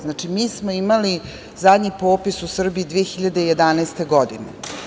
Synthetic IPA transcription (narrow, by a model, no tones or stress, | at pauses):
znaːt͡ʂimiːsmoimali | zad̪ɲipo̞ːpisusr̩biid̪ʋijexiʎad̪eije̞d̪anaest̪e̞ɡod̪inḛ